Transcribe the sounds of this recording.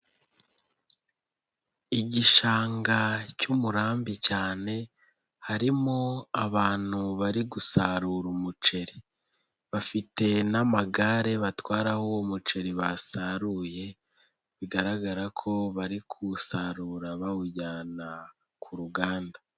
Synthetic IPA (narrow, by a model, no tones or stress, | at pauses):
iɟiʃaːŋɡacumuɾaːmbicaːne̞ | haɾimoaβaːn̥huβaɾiɡusaɾuɾumut͡ʃe̞ɾi | βafite̞namaɡaːɾe̞βatwaːɾahuwomut͡ʃe̞ɾiβasaɾuje̞ | βiɡaɾaɡaɾakʰo̞βaɾikʰusaɾuːɾaβawuɟaːna | kʰuɾuɡaːnda